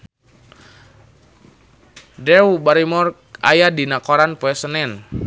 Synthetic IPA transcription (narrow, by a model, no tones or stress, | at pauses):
dɛubaɾimɔrk̚a̰jadinakɔɾanpuɛsənɛn